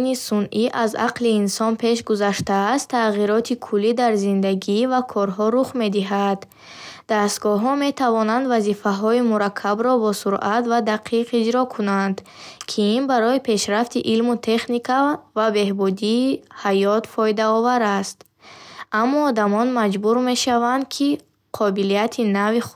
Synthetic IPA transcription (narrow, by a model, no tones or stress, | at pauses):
nisunʔiʔaza̰qliːnsɔnpʰe̞ʃ̬ɡuzaʃt̪aːst̪ʰːaʁiɾɔt̪ʰikʰulːid̪aɾzind̪aɡivakʰɔɾɦɔɾuχme̞d̪iɦad̪ | d̪̥ast̪ɡɔɦɔme̞t̪ʰavɔnand̪vazifaɦɔimuɾakʰːabɾɔbɔsuɾʔat̪vad̪aqʰiqid͡ʒɾɔkʰunand̪ | kʰiinbaɾɔipʰe̞ʃɾaft̪ʰiʔilmut̪ʰe̞χnikʰavabe̞hbud̪iːhajɔt̪fɔjd̪aɔvaɾast̪ | amːɔːd̪amɔnmad͡ʒbuɾme̞ʃavand̪̚kʰi | qʰɔbilijat̪ʰinavi